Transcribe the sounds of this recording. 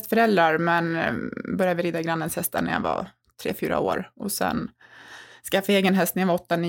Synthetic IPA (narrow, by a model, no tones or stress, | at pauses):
st̪fœɾɛld̪ɾaɾmɛnbœɾjad̪vɪɾiːd̪aɡɾanːənshɛst̪ʰanæ̰ja̰vɑ̰ | t̪ʰɾḛːfyːɾa̰o̰ːɾɔsɛ̰n | skaafaeːɡənɦɛst̪nɛjavaɔt̪ːani